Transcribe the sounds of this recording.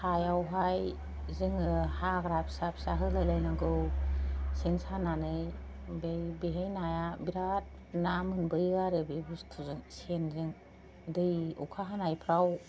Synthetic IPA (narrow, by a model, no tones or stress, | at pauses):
hajawɦaj | zɯŋɯhaɡɾapʰsapʰsaɦɯlalajnaɡɯw | sensananɯj | bejbeɦejnajabiɾat̚ | namɯnbɯjaɾɯbebustʰuzɯŋsenzɯŋ | dɯjṵkʰaɦanajpʰɾaw